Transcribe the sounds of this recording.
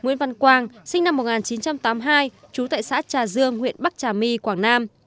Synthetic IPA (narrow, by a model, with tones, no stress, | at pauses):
ŋwḭ˧˥nva˧nkwaː˧˩ŋsï˧ŋna˧mːo˨˩t̚ŋaː˨˩nt͡ɕi˨˦nt͡ɕa˧mt̪aː˨˦mɦaː˧j | t͡ɕu˨˦t̪a̰ː˧˨jsa̰ː˧˥t͡ɕaː˨˩zɨ˧əŋhwḭ˧˨ənɓa˦˥k̚t͡ɕaː˨˩mi˧kwaː˧˩ŋnaː˧m